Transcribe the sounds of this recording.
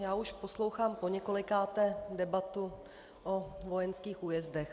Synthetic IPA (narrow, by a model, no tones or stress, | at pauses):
jaːuʃpo̞slo̞wxaːmpo̞ɲɛko̞lɪkaːt̪ɛdɛbat̪u | ʔovo̞jɛnskiːxʔuːjɛzdɛx